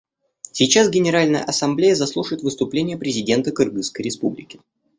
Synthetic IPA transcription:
sʲɪt͡ɕasɡʲɪnʲɪɾalʲnəjə̰ʔɐsɐmblʲejəzɐslˠuʂəjɪt̪vɨst̪ʊplʲenʲɪjəpɾʲɪzʲɪdʲe̞nt̪əkɨrɡɨskəjɾʲɪspublʲɪkʲɪ̥

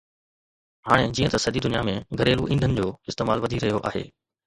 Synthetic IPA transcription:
ɦaːɽ̃ed͡ʑiːə̃t̪ɐsɐd̪id̪ʊnijamẽɡʱɐɾeːluʔĩːnd̪ʱənɪ̆d͡ʑoːɪst̪eːmaːlʋɐd̪ʱiɾɐɦijoʔa̰ːɦḛː

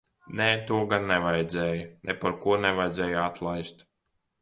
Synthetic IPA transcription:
nɛːt̪uɔɡanːɛvajd̪zɛːjnʔɛpaɾkuɔnɛvajd̪zʲɛːjat̪lˠajst̪

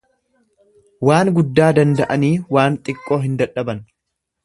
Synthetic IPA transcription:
waːŋɡʊd̪ːaːd̪ɐnd̪ɐʔɐniːwaːnt̪ʼɪkʼːo̞ːɦɪnd̪ɐᶑːɐbɐn

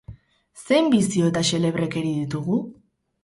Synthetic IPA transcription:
se̞jmbisio̞et̪ase̞le̞β̞ɾe̞ke̞ɾiðit̪uɣu

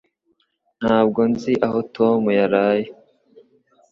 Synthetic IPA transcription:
n̥haːb̚ɡo̞nziʔaho̞tʰo̞mujaɾaːje

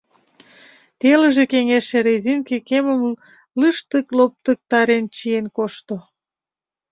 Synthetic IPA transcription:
t̪eləʒekeŋeʃeɾezinkekeməm | lɨʃt̪əklop̚t̪ək̚t̪ɑɾent͡ɕienkoʃt̪o

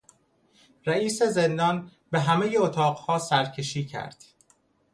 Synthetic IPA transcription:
ɾæiːseze̞nd̪ɒn | be̞ɦæmejeot̪ʰɒːɢhɒːsæɾcʰe̞ʃiːcʰæ̰ɾd̪̥

